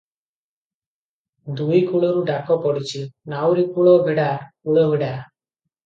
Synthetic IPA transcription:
d̪ujkuɭɔɾuɖakɔpɔɽit͡ʃinawɾikuɭɔbeɽaɾkuɭɔbeɽa

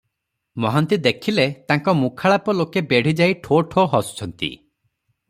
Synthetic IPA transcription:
mɔɦant̪id̪ekʰilet̪aŋkɔmukʰaɭapɔlokebeɽ̤id͡ʒaiʈʰoʈʰoɦɔsu̥t͡ʃʰɔnt̪ḭ

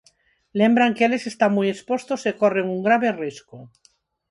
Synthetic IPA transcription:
le̞mbɾaŋkele̞se̞st̪aŋmuje̞spo̞st̪osekoreŋuŋɡɾaβerisku

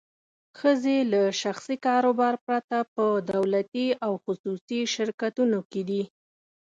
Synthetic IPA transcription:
xəzelaʃaxsikɑɾobɑɾpɾat̪apəd̪awlat̪iawxʊsusiʃɪɾkat̪unoked̪i

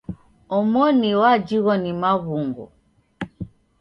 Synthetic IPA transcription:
ɔmɔniwad͡ʒiɣɔnimaɣuŋɡɔ̰

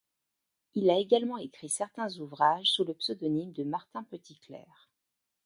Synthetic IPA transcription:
ilaeɡalmɑ̃ekχisɛʁt̪ɛ̃zuvʁaʒsuləpsəd̪ɔnimd̪əmaʁt̪ɛ̃pət̪iklɛ̰ːʁ

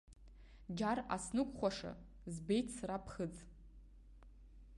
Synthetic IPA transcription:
d͡ʒara̰snɨkʷʼχʷaʂa̰ | zbe̞jtʰsrapʰχəd͡z

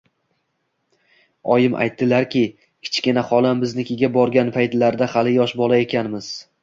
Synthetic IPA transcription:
ɒjɪmʔa̰jt̪ːɪlaɾkʲʰɪ | kʲʰɪ̥t͡ʃkʲɪnaχɒlˠambɪznɪkʲʰɪɡʲabɒɾɡʲanpʰajt̪laɾd̪ahalɪjɒʃbɒlˠae̞kʲʰanmɪz̥

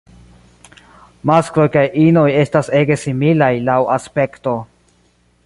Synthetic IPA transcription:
maskɾo̞jkajʔino̞je̞stase̞ɡe̞similajlawʔaspe̞kto̞

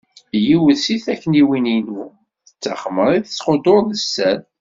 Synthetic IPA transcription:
jiwəsiθækːəniwininu | θət͡sːaχəməɾˤiθəsːqod̪oɾˤnəsːæn

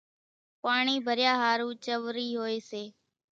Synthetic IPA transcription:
paːɳiːbʱəɾjaːɦaːɾũːt͡ʃəʋɾiːɦoːeːseː

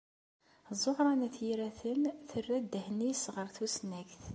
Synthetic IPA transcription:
zˤːoħɾˤɑnæθjiɾæθənθərːæd̪əhnisʁəɾˤθusnæçθ

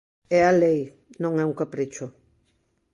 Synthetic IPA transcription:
ɛalej | nõŋɛuŋkapɾit͡ʃʊ

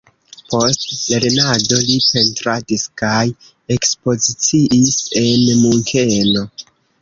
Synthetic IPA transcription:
po̞stleɾenado̞lipe̞ntɾadiskaj | e̞kspo̞zit͡siʔise̞nmuŋkʰe̞no̞

